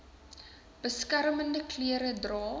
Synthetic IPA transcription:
b̥əskærməndəkliəɾədrɑː

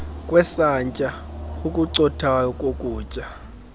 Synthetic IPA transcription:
kʼwɛsaɲt͡ʃʼaukʼuǀɔtʰajɔkʼokʼuːt͡ʃʼa

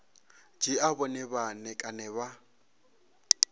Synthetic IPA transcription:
d͡ʒiabɔnɛbanɛkʼanɛβa

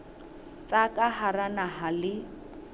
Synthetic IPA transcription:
t͡sʼakʼahaɾanaɦalɪ

